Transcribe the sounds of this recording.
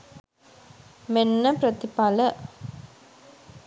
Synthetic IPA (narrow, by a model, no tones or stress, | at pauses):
menːəpɾət̪ipalə